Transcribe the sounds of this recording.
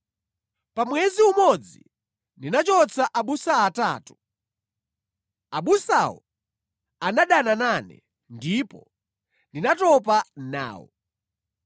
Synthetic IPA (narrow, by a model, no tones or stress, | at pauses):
pamwɛziumɔd͡zi | ndinat͡ʃɔt͡sʰaʔaɓusaːtaːtu̥ | aɓusawɔ | anaɗanananɛ̰ | ndipɔ | ndinatɔpana̰ːwɔ̰